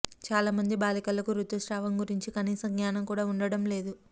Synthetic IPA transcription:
t͡ʃaːlaːmɐnd̪ibaːlikɐlːɐkuɾut̪ːusɾaːʋɐmɡuɾiɲt͡ʃikɐniːsɐmɡɲaːnɐmkuːɽaːuɳɖɐɽɐmle̞ːd̪u

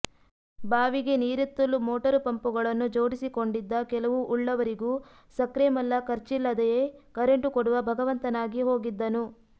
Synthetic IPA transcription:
baːʋiɡe̞niːɾut̪ːulːumoːʈɐɾpɐmpuɡɐɭɐnːud͡ʒoːɽisiko̞ɳɖid̪ːɐkɛlɐʋuʔːɭːɐʋɐɾiɡuː | sɐkɾeːmɐlːɐkɐɾt͡ʃilːɐd̪ɛjekɐɾeɳʈukoɽuʋɐbʱɐɡɐʋɐnt̪ɐnaːɡiɦo̞ːɡid̪ːɐnu

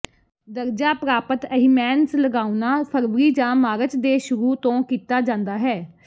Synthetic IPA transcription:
d̪əɾd͡ʒaːpɾaːpət̪əɦiːmɛːnsləɡaːunaːpʰəɾʋəɾiːd͡ʒãːmaːɾət͡ʃd̪eːʃʊɾuːt̪õːkiːt̪aːd͡ʒãːnd̪aːɦɛː

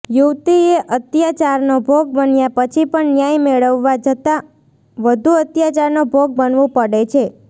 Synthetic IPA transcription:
juʋt̪ieʔət̪jat͡ʃaɾnobʱoɡ̚bənjapət͡ʃʰipəɳnjajmeɭəʋːad͡ʒət̪a | ʋəd̪ʱuət̪jat͡ʃaɾnobʱoɡ̚bənʋũpəɽet͡ʃʰe

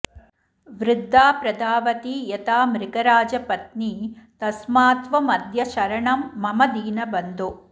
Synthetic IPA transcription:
ʋɾɪd̪ʱːaːpɾɐd̪aːʋɐt̪ijɐt̪aːmɾɪkɐɾaːd͡ʒɐpɐt̪̚niːt̪ɐsmaːt̪ʋɐmɐd̪ʱjɐʃɐɾɐɳɐmːɐmɐd̪iːnɐbɐnd̪o

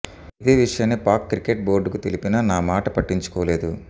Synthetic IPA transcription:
id̪eːʋiʂɐjɐnːipaːɾkːɾikːeʈ̚bo̞ːɾɖkut̪elipinɐnaːmaːʈɐpɐʈːiɲt͡ʃu̥kɔːle̞ːd̪u

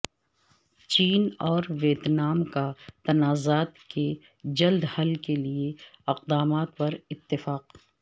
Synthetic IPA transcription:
t͡ʃiːnɔːɾʋeːt̪naːmkat̪ɐnaːzaːt̪ke | d͡ʒɐld̪hɐlkelieɪqd̪aːmaːt̪pɐɾɪt̪ːɪfaːq

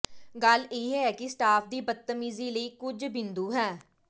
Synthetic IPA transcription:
ɡəleːɦɛːkɪsʈaːpʰd̪iːbət̪ːəmiːziːləiːkʊd͡ʒbɪ̃nd̪uːɦɛː

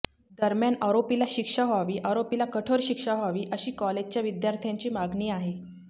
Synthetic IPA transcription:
d̪əɾmjanəɾopilaɕikʂaɦaʋiːʔəɾopilakəʈʰoɾɕikʂaɦaʋiːʔəɕiːkɔled͡ʑt͡ɕjaʋid̪jaɾt̪ʰjãɲt͡ɕiːmaɡniːaɦe

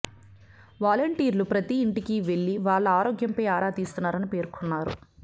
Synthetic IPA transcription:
ʋaːlɐɳʈiːɾlupɾɐt̪iːɳʈikiʋe̞ɭːiʋaːɭːɐaːɾoːɡjɐmpɐjaːɾaːt̪iːst̪unːaːɾɐnipe̞ːɾkʰonːaːɾṵ

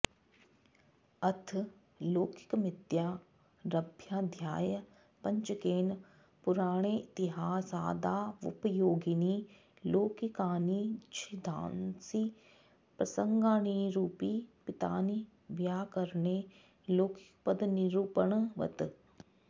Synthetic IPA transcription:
ɐt̪ʰ | loːkɪ̥kmɪt̪jaː | ɾɐbʱjaːd̪ʱjaːjə | pɐ̃ɲt͡ʃəkeːn | pʊɾaːɽ̃eːɪt̪ɪɦaːsaːd̪aːʊ̰pəjoːɡiniː | loːkikaːnit͡ʃʰid̪ʱã̰ːnsi | pɾɐsə̃ŋɡãːniɾuːpipɪt̪a̰ːni | ʋjaːkɐɾne | loːkɪ̥kpəd̪niɾuːpəɳ̃ʋɐ̰t̪

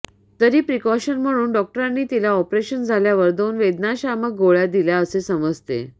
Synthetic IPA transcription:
t̪əɾiːpɾikɔɕənm̤əɽ̃uːnɖɔk̚ʈəɾãnːiːt̪ilaɔpɾeɕənd͡zʱaljaʋəɾd̪onʋed̪naɕamək̚ɡoɭjad̪iljaəsesəməd͡zʱt̪ḛ

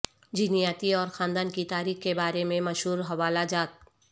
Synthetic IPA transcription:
d͡ʒinijaːt̪iɔːɾxãːnd̪aːnkit̪aːɾiːxkebaːɾemẽmɐʃɦuːɾɦɐʋaːlad͡ʒaːt̪̚

